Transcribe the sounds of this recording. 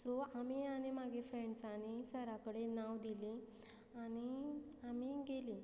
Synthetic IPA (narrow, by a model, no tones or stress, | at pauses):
d͡zɔamiañimaɡefɾẽɳɖsanisəɾakəɽenaʋd̪ili | añiamiɡeli